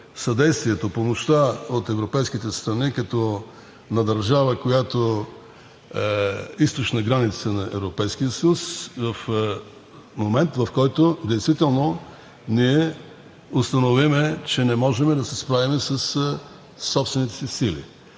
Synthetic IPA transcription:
sɐd̪ɛjst̪viɛt̪opomoʃt̪aot̪ɛvɾopɛjsk̟it̪ɛst̪ɾɐnikɐt̪ɔ | nɐd̪ɐɾʒavəkojat̪o | ist̪ot͡ʃnəɡɾanit̪sənɐʔɛ̰vɾopɛjsk̟ijəsəjusvɐf | momɛnt̪vɐfkɔjt̪od̪ɛjst̪vit̪ɛlˠno | niɛ | ost̪ɐnovimɛt͡ʃɛnɛmɔʒɛmɛd̪ɐsɛspɾavimɛsəsː | ɔpst̪vɛnit̪ɛ̥sisilḭ

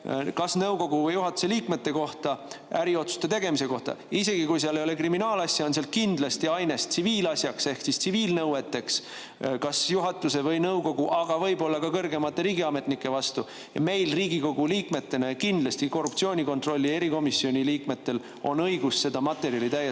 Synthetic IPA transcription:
kɑsnɤwko̞ɡ̥uvɤjuɦɑt̪ːˑu̥se̞liːkme̞t̪ːe̞ko̞ht̪ɑʔæɾio̞t̪su̥st̪e̞t̪e̞ɡ̥e̞mise̞ko̞ht̪ɑ̰ise̞ɡ̥ikujseɑlejo̞le̞kriminɑːlɑsʲjɑo̞nseɑl̚kind̪̥lɑst̪iɑjne̞st̪siviːlɑsʲjɑkse̞hksist̪siviːlnɤwe̞t̪ːˑe̞ks | kɑsjuɦɑt̪ːˑuse̞vɤjnɤwko̞ɡuʔɑɡ̥ɑvɤjbo̞lːɑkɑkɤrɡe̞mɑt̪ːˑe̞ɾiːɡ̥iɑme̞t̪nikːˑe̞vɑst̪u | jɑ̰me̞jlriːɡiko̞ɡ̥uliːkme̞t̪ːe̞nɑkind̪lɑst̪iko̞rːupt̪sio̞ːnʲiko̞nt̪ro̞lʲːie̞ɾiko̞misːio̞nʲiliːkme̞t̪ːe̞l | o̞̰nɤjɡusːe̞d̪̥ɑmɑt̪ːˑe̞ɾjɑlit̪æje

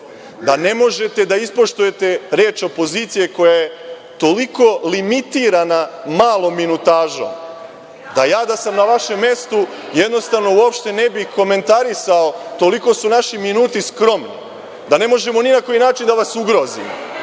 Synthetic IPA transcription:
d̪ane̞mo̞ʒe̞t̪e̞d̪aispo̞ʃt̪uje̞t̪e̞ɾe̞ːt͡ʃo̞po̞ziːt̪sije̞ko̞jaje̞ | t̪o̞liko̞limit̪iɾanamaːlˠo̞mːinut̪aːʒo̰m | d̪ajaːd̪asamnaʋaʃe̞mːje̞st̪ujed̪no̞st̪aʋno̞uo̞pʃt̪e̞ne̞bixko̞me̞nt̪aɾisaot̪o̞liko̞sunaʃiminuːt̪iskɾo̞mnḭ | d̪ane̞mo̞ʒe̞mo̞ninako̞jinaːt͡ʃind̪aʋasuɡɾo̞zḭm

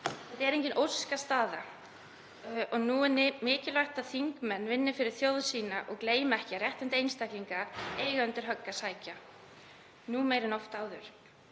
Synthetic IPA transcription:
θɛht̪ɛɾejɲcɪnʔowskast̪aːða | ɔɣnuːɪnːɪmɪːcɪlajht̪aðθiŋkmɛnːvɪnːɪfɪɾɪɾ̥θjowðsiːnaʔɔɣkleːjmɛhcɪarjɛht̪ɪnt̪ɪejnst̪ajhkliŋkaeːjɣaʏnt̪ɪɾ̥ɦœkːasaːjca | nuːmeːjɾɪnɔwft̪aːwðʏɾ̥

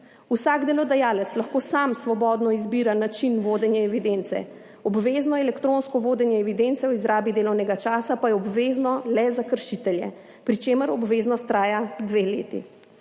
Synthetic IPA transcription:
usaɡd̪ɛlɔd̪ajaːlɛt̪slaxkoːsamsʋɔbɔːd̪nɔizbiːɾanat͡ʃinʋoːd̪ɛnjɛɛʋid̪ent̪sɛ̰ | ɔbʋeːznɔɛlɛkt̪ɾonskɔʋoːd̪ɛnjɛːʋid̪ent̪sɛwizɾaːbid̪eːlɔwnɛɡat͡ʃaːsapajɛɔbʋeːznɔlɛzakəɾʃit̪ɛljɛ̰ | pɾit͡ʃeːməɾɔbʋeːznɔst̪ːɾaːjad̪ʋeːlḛːt̪ḭ

